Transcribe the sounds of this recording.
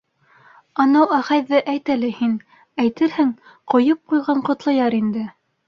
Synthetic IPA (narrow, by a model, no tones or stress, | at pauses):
ɑnɑwæʁɑjðɘʔæjt̪ælɘhin | æjt̪ɘɾhɘŋ | qŏjɤp̚qujʁɑɴqŏt̪lˠɤ̆jɑɾind̪ɘ